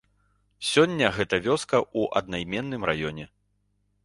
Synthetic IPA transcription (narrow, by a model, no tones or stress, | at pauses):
sʲɔnʲːɐɣɛt̪ɐvʲɔskɐʔuʔɐ̰d̪̚najmʲɛnːɨmrajɔnʲɛ